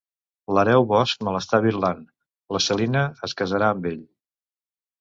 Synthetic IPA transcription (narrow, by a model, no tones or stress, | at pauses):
ləɾɛwβɔsk̚məlˠəst̪aβiɾlan | ləsəlinəəskəzəɾaəmbeʎ